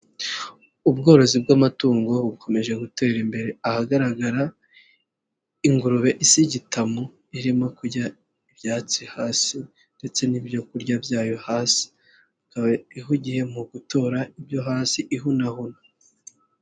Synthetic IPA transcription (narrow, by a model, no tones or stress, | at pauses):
ubɡo̞ːɾo̞zibɡamatuːŋɡo̞ukʰo̞me̞ʒe̞ɡute̞ːɾimbe̞ɾeahaɡaɾaɡaɾa | iŋɡuɾuβe̞ʔisiɟitʰamo | iɾimo̞kuɾɟa | ibjaːt͡sihaːsi | nde̞t͡se̞nibjo̞kuɾɟabjaːjo̞haːsi̥ | akaβaiɦuɟihe̞muɡuto̞ɾaibjo̞ɦaːsiʔiɦunahuna